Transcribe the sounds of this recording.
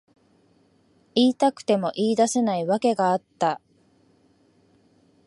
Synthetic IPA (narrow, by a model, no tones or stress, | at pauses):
iːt̪akɯ̟̥t̪e̞mo̞ʔiːd̪ase̞naiβake̞ɡaːt̪ːa